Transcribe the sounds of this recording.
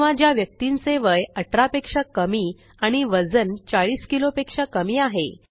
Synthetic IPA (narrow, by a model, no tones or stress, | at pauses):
ad͡ʑjaʋjək̚t̪inseʋəjəʈʰɾapekʂakəmiː | aɽ̃iʋəd͡zənt͡saɭiːskilopekʂakəmiːaɦḛ